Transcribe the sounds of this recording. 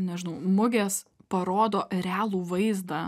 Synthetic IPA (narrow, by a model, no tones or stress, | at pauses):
nʲɛʒʲɪnɐʊmʊɡʲeːspɐɾoːd̪oːɾʲæːlˠuːʋɐɪzd̪ɐ